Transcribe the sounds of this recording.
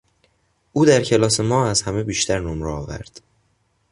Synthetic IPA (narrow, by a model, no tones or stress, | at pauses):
ʔuːd̪æɾcʰe̞lɒːse̞mɒːæzhæmebiːʃt̪ʰæɾnomɾɛɒːvæ̰ɾd̪̥